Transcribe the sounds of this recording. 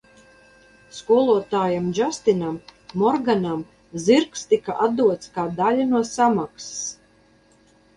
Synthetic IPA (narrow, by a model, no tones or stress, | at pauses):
skuɔlˠuɔt̪aːjamd͡ʒast̪inamːɔɾɡanam | ziɾkst̪ikaʔat̪d̪uɔt̪skaːd̪alʲanuɔsamakss